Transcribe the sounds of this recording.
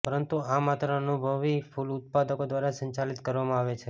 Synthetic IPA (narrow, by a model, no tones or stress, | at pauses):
pəɾənt̪uamat̪ɾəənubʱəʋifʰulʊt̪̚pad̪əkod̪ʋaɾasə̃ɲt͡ʃalit̪kəɾʋamãaʋet͡ʃʰe